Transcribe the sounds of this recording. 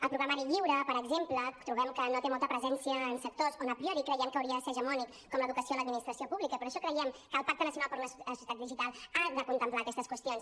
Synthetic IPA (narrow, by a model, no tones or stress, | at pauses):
əlˠpɾuɣɾamaɾiʎiwɾəpəɾəɡzemplət̪ɾuβɛmkənot̪emɔlˠt̪əpɾəzɛnsiəːnsək̚t̪ozonəpɾiɔɾikɾəjɛmkəwɾiəðəseɾʒəmɔnik | kːɔmləðukəsioləd̪̚minist̪ɾəsiopuβlikəpəɾoʃɔkɾəjɛmkəːlˠpak̚t̪ənəsiunalˠpəɾləəsuiət̪at̪̚d̪iʒit̪alˠad̪əkunt̪əmplaːkɛst̪əskwəst̪ions